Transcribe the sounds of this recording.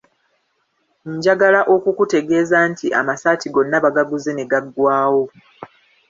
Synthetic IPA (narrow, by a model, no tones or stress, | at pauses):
ɲɟaɡalaʔo̞kukute̞ɡe̞ːzantiʔa̰masaːtiɡo̞nːaβaɡaɡuzene̞ɡaɡwaːwo̞